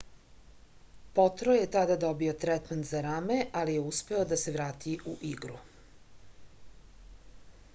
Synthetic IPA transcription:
pot̪ɾojet̪ad̪ad̪obio̞t̪ɾɛt̪ment̪zaɾameʔalije̞uspe̞od̪ase̞ʋɾaːt̪ʰiʔuʔiɡɾṵ

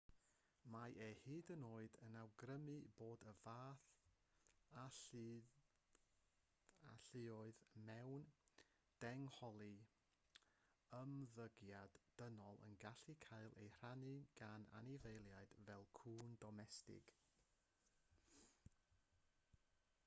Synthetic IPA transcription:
majʔehɨːdənoːɨdənawɡrəmɨboːdəvaːθ | a | aɬɪɔɨðmɛwn | d̥ɛŋhɔlˠi | əmðəɡjadːənɔlˠə̰nɡaɬikʰajlˠḛjr̥anɨɡ̥ana̰nivejlˠjaɨd̥vɛlˠkʰuːndɔmɛstɪ̰ɡ̥

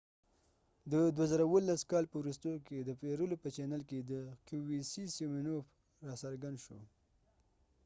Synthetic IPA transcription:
d̪əd̪wazəɾawəlːaskɑlpəwɾust̪ojked̪əpeɾulopət͡ʃɛnəlked̪əkuwisisimenof | ɾɑsaɾɡand̪ʃo

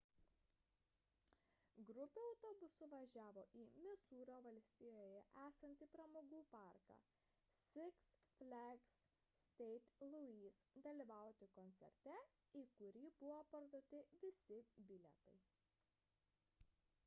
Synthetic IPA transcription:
ɡɾʊpʲuːɒʊt̪ɔːbʊsʊʋɐʒʲæːʋoːʔiːmʲɪsuːɾoːʋɐlʲsʲt̪ʲɪjoːjɛʔæːsɐnʲt̪ʲiːpɾɐmoːɡuːpɑˑɾkɑ̰ː | sʲɪksfʲlʲæɡs | st̪ʲɛɪt̪lˠʊiːsd̪ɐlʲiːʋɑˑʊt̪ʲɪkɔnʲt̪sʲɛ̰ɾʲt̪ʲɛ | iːkʊɾʲiːbʊʋoːpɐɾd̪oːt̪ʲɪʋʲɪsʲɪbʲɪlʲɛt̪ɐɪ

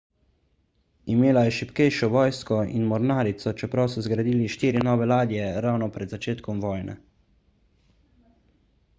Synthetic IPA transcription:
imeːlajɛʃipkɛjʃɔʋɔːjskɔḭnmɔɾnaːɾit̪sɔt͡ʃɛpɾawsɔzɡɾad̪iːliʃt̪iːɾinɔːʋɛlaːd̪ijɛɾawnɔpɾɛd̪zat͡ʃeːt̪kɔmʋɔːjnɛ̰

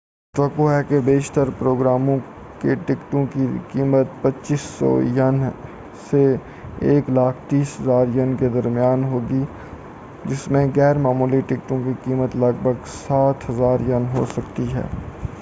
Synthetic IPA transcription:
ʈt̪ʋəkoɦɛkebeːʃt̪əɾpɾoːɡɾaːmõ | keʈɪkʈõkikiːmət̪̚pɐtːʃiːsːɔ̰ːjən | se | eːklaːkʰt̪iːsɦəzaːɾjənked̪ɐɾmɪjaːnɦoːɡi | d͡ʒɪsmẽɡɛːɾmaːmuːliʈɪkʈõkikiːmət̪lɐɡbʱəɡsaːt̪ɦɐzaːɾjɐnɦo̰sɐkt̪iɦɛ̰ː

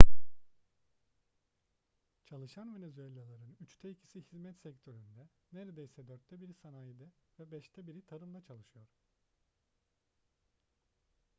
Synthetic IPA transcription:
t͡ʃʰalˠɯʃanve̞nezyelʲalˠaɾɯnyt͡ʃt̪ʰɛicʰi̥sihizmɛt̪sɛct̪ʰø̞ɾynd̪ɛneɾed̪ejsɛd̪øɾt̪ʰːɛbiɾisanaːjid̪ɯvɛbɛʃt̪ʰɛbiɾit̪ʰaɾɯmd̪ˠat͡ʃʰalˠɯʃɯjo̞ɾ̥

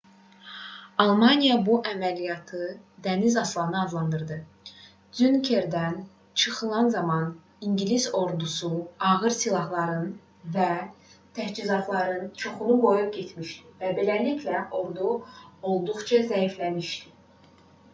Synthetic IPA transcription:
ɑlˠmɑnijɑbuʔæmælijɑt̪ʰɯ | d̪ænizɑslˠɑnɯɑzlˠɑnd̪ɯɾd̪ɯ | zynkʰe̞ɾd̪æn | t͡ʃʰɯχɯlˠɑnzɑmɑn | iŋɟiliso̞ɾd̪usuɑɣɯɾsilˠɑɦlˠɑɾɯn | væt̪ʰæhd͡ʒizɑt̪ʰlˠɑɾɯnt͡ʃʰoχunubo̞juɟe̞t̪ʰmiʃd̪ivæbe̞lælicʰlæʔo̞ɾd̪uo̞lˠd̪uχt͡ʃʰɑzæiflæmiʃd̪i̥

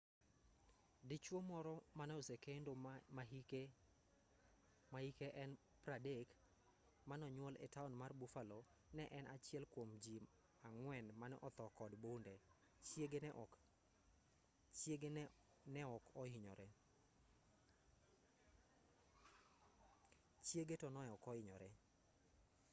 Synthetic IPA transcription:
dɪt͡ʃwomɔɾɔmanɛɔsekendomake | mahikeʔɛn | pɾadek | manɔɲwɔlʔɛ̰taɔnmarbufalo | nɛʔɛnʔat͡ʃɪɛlkwomd͡ʒi | aŋwɛnmanɛʔɔt̪ɔkɔdbonde | t͡ʃjeɡenɛʔ | t͡ʃjeɡe | nɛɔkɔɪɲɔ̰ɾɛ | t͡ʃjeɡetɔnɔɛɔkɔɪɲɔ̰ɾɛ

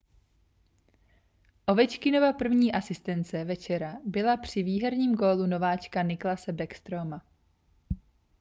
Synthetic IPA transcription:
ʔo̞vɛt͡ʃkɪno̞vapr̩vɲiːʔasɪst̪ɛnt͡sɛvɛt͡ʃɛɾabɪlapr̝̥ɪviːɦɛɾɲiːmɡo̞ːluno̞vaːt͡ʃkanɪklasɛbɛkst̪ɾoma

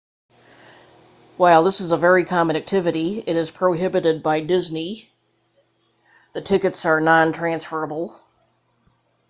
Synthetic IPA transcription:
waɪlˠðɪsəzəvɛɹikʰɑmə̃næk̚tʰɪvɨɾiɪɾɨz̥pʰɹ̥oʊɦɪbɨɾɨd̚baɪdɪzni | ðɨtʰɪkɨtsə˞nɑ̃ntʰɹ̥æ̃nsfə˞əbl̩ˠ

